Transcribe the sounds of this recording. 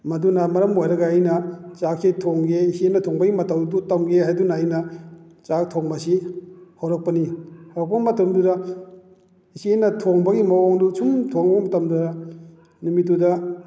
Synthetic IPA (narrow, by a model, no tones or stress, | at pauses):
mɐdunɐmɐɾɐmojɾɐɡɐːjnɐt͡ʃak̚sitʰoŋɡeisenɐtʰoŋbɐɡimɐtawudutɐmɡeɦajdunaːjnɐ | t͡ʃak̚tʰoŋmasihowɾɐk̚pɐnihaɾak̚pɐmɐtɐmduda | isienɐtʰoŋbɐɡimɐoŋdut͡ʃʰumtʰoŋbmɐtamdudɐ | numitːudɐ